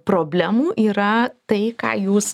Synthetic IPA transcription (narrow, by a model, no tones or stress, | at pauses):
pɾoːbʲlʲɛmuːʔiːɾɐt̪ɐɪkɑ̰ːjuːs